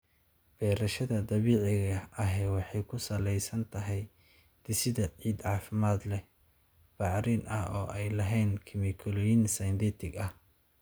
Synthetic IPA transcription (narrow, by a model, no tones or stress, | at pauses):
b̥ɛːɾɐʃɐðɐd̪ɐβiːʕɪɣɐʔɐɦɛːwɑħɑjkʰʊsɐlɛjsɐnt̪ʰɐɦɛj | d̪̥ɪsɪðɐʕiːd̪ʕɑːfɪmaːd̪lɛ | b̥ɑʕɾinʔɐhɔ̰ːʔɛjlɐɦɛːnkʰɪmɪkʰɔlɔjinsɐjnd̪iːt̪ʰɪɡɐh